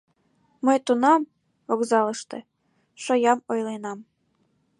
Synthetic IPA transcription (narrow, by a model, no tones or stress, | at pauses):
məjt̪unɑm | okzɑləʃt̪ĕ | ʃojɑmojlenɑm